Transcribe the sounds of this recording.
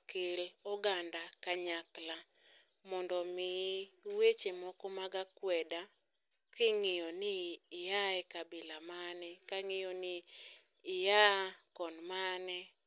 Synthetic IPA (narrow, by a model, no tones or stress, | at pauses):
kɪlɔɡandakaɲakla | mɔndɔmɪwet͡ʃemɔkɔmaɡakwɛda | kɪŋɪjɔnɪːjaɛkabɪlamanɛkaŋɪjɔnɪː | jakɔnmanɛ